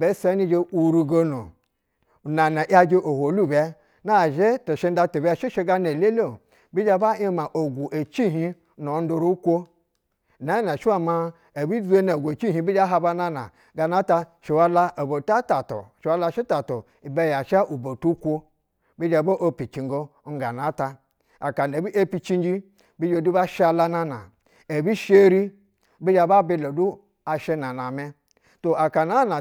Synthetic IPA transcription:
be˨˦sa˨˦ni˦d͡ʒe˦u˨ɾu˨˧ɡo˦no˨ | na˨na˨ʔa˧d͡ʒe˦ʔo˨ho˨˦lu˦˨bʲa˦ | na˦˨ʒe˦to˨ʃe˦n˦da˧˦to˨ba˦ʃi˦ʃe˦˧ɡa˧ne˨le˦lo˦˨ | bi˦d͡ʒa˦ba˦i˦ma˨ʔo˨ɡʷu˨ʔe˨t͡ʃi˦ɦi˦ | no˨˦n˦do˧ɾu˦kʷo˦˨ | na˨˦na˨ʃi˦a˦ma˦ | e˨bi˦d͡zu˦e˦na˨ɡu˨e˨t͡ʃi˦ɦi˦bi˦d͡ʒa˦ɦa˧ba˦na˦na̰˨ | ɡa˧na˦ta˧ʃi˨wa˦la˦ʔo˨bo˨ta˦ta˨to̰˨ʃwa˦la˦ʃi˦ta˨to˨ | i˨be˦ja˨ʃa˦ʔu˨bo˨tu˦kʷo˦ | bi˦d͡ʒa˨bo˦ʔo˦pi˨t͡ʃi˨ŋɡo˦ŋ˦ɡa˨na˨˦ta˧ | a̰˨ka˨ne˨bi˦ʔe˦pi˦t͡ʃi˦nd͡ʒi˦ | bi˦d͡ʒo˨du˦ba˦ʃa˨la˧˦na˦na̰˨ | e˨bi˦ʃe˦ɾi˦ | bi˦d͡ʒa˨ba˦bi˦lo˨du˦ | a˨ʃe˦na˨na˨me˦ | to˨ʔa˨ka˨na˦na˨

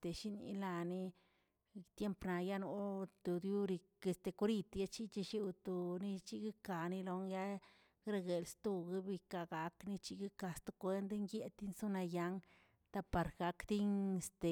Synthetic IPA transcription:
t̪e˨ʃi˦nḭ˧˦la˧ni˦ | t̪je˦mpna˨ja˦no˧˦t̪u˨d̪ju˦ɾi˧ke˧st̪e˨ku˦ɾi˧t̪ja˦t͡ʃi˦t͡ʃi˧ʃi˦wt̪o˨˧ni˦t͡ʃi˦ɡi˦ka˨ni˦lo˧ŋja˦ | ɡɾa˧ɡe˨lst̪u˧ɡi˦bi˧ka˧ɡa˧kni˦t͡ʃi˧ɡi˦ka˧st̪o˧kʷe˧nd̪ŋɡje˧t̪i˦nso˦na˧ja˧˦ŋ | t̪a˧pa˨˧ɾɡa˧kd̪i˦ŋe˧st̪e˨

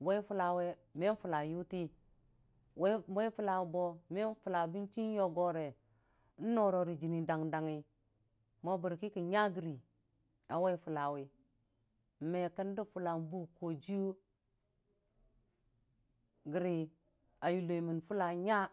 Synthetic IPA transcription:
we˦fu˦la˨we˦me˦n˦fu˨la˨ju˦ti˦ | wwe˦fu˦la˨wbo˨me˦n˦fu˨la˨bi˦nt͡ʃi˦n˦jo˦ɡo˨ɾe˨ | n̩˦no˦˨ɾo˨ɾi˨d͡ʒi˨ni˨da˨ŋda˨ŋi˨ | mo˦bu˨ɾki˦ki˨ɲa˦ɡi˨ɾi˨ | a˨we˦fu˨la˨wi˨ | me˨kə˦n˦di˦fu˨la˨m˦bu˦ko˨d͡ʒi˦u˦ | ɡi˨ɾi˨ | a˨ju˨lo˨i˨mi˨nfu˦la˨ɲa˦

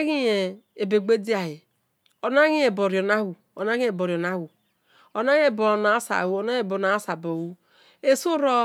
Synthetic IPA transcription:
ɣi˦je˨e˨be˨ɡ͡be˦di˦a˨hi˨ | o˨na˦ɣi˦je˨bo˨ɾo˨na˦hu˨ | o˨na˦ɣi˦e˨bo˨ɾi˨o˨na˦wu˨ | o˨na˦ɣe˦˨bo˨na˨˦sa̰˨hu˦o˨na˦e˨bo˨na˨˦sa˨bo˨wu˦ | e˦su˦ɾo˦

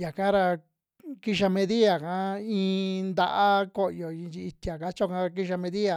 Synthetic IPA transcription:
ja˨ka˦ɾa˧ | ki˦˧ʃa˧mẽ˧ði˦a˨kã˨˦ĩː˧nd̪a˧ʔa˦ko˦jo˨ĩ˧t͡ʃi˧i˧t̪i˧a˨ka˦t͡ʃo˦˧kã˧k̬i˦ʃa˧mẽ˧ði˦a˨

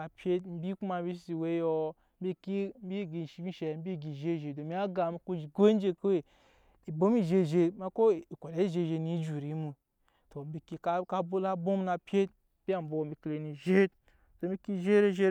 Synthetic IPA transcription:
a˨pʲje˦tm̩˦bi˦ku˦ma˨˦bi˦s̬i˦si˨we˦jo˦ | m̩˦bi˦ki˦m̩˦bi˦˨ɡi˨n˨ʃi˨˦ɡi˦ʃe˨m̩˦bi˦˨ɡi˨ʒe˦˨ʒe˨do˨mi˦a˦ɡa˨mi˦ku˦d͡ʒi˨ɡʷe˦n˦d͡ʒe˧ko˦we˨ | i˨bo˦mi˦ʒe˧˨ʒe˨˧ma˦ko˦˨i˨kʷo˨da˨˦i˦˨ʒe˧˨ʒe˧ni˨˦d͡ʒu˨ɾi˨˦mu˨ | to˨m̩˦bi˨ki˨ka˦ka˦bo˦la˦bo˦m˦na˨pʲe˦t̚ | b̥ʲi˦a˨m̩˦bo˨˦bi˨kle˨ni˨ʒe˦t | to˨mi˦ki˦ʒe˦ɾe˦ʒe˦

